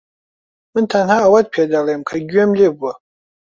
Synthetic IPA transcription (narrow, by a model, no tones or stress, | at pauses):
mɨntʰanhaːwad̚pʰadalejmkʰaɡʲɥamlebwa